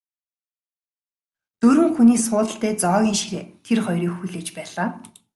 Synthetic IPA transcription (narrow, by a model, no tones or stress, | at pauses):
t̪ɵɾwɘ̆ŋxuniːsʊːɮə̆ɬt̪æːt͡sɔːɣʲiːŋʃiɾeːt̪ʰerχɔjɾiːxuɮeːt͡ɕpæːɮaː